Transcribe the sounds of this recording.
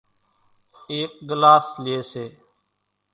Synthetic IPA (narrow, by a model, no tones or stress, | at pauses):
eːk̚ɡlaːslɪeːseː